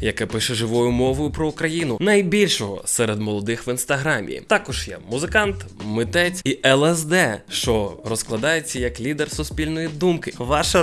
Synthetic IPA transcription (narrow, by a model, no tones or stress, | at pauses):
jɐkɛpɪʃɛʒɪʋɔjʊmɔʋɔjʊpɾɔukɾɐjinʊnɐjbʲilʲʃɔɦɔ̰sɛɾed̪mɔlˠɔd̪ɪxʋɪnst̪ɐɦɾɑmʲḭt̪ɑkɔʒ̥jɛ̰mʊzɪkɑnt̪mɪt̪ɛt͡sʲiʔɛlˠɛsd̪ɛʃt͡ʃɔrɔsklˠɐd̪ɑjet͡sʲːɐjɐklʲid̪ersʊsʲpʲilʲnɔjid̪umkɪʋɑʃɐ